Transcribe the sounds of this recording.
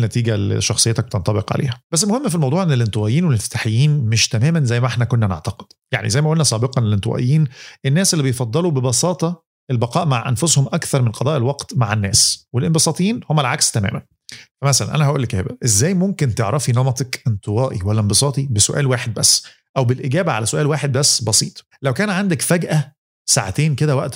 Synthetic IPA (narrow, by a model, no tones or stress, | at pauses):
næt̪iːɡæl̰ʃːɑxsˤejːet̪æk̚b̚et̪ent̪ˤɑbeqʕa̰lʔḛːhæ̥b̥æsːelmoʊhemːfilmɑwd̪ˤuːʕʔenːelʔent̪ˤəwæʔjiːnwelefe̥t̪aħejːiːnmeʃt̪æmæːmænzæjːmæʔeħnækonːænḛʕt̪ɑqe̥d̪̥ja̰ʕnḭzæjːmæʔolnæsˤɑːbeqɑnelʔent̪ˤəwæ̰ʔḛjːiːnenːæːsʔelːibejfɑd̪ˤːɑlubebɑsɑːt̪ˤɑ | ʔelbɑqɑːʔmaʕʔænfoshomʔækθɑɾˤmenqɑd̪ˤɑːʔelwɑqt̪maʕenːæ̰ːswelʔenbesˤɑːt̪ˤiːnhomːælʕakst̪æmæ̰ːmæn | fæmæsælæ̰nʔæ̰næhæʔṵːlːkæhḛbæ̰ʔezːæːjmomkent̪eʕɾʔɑfinɑmɑt̪ˤɑkʔent̪ˤɨwɑːʔiwælːæmbesˤɑːt̪ˤibesoʔæ̰ːlwaːħed̪̚bæsː | ʔæwbelʔeɡæːbæʕa̰læsoʔæːlwaːħed̪̚bæsːbɑsḭːt̪ˤ | læwkæːnʕand̪ækfæɡʔæ | saʕat̪eːnked̪æwæʔt̪